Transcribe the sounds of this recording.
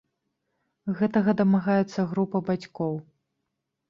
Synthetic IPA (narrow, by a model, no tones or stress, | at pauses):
ɣɛt̪ɐɣɐd̪ɐmaɣajɛt̪sːɐɣɾupɐbat͡sʲkɔw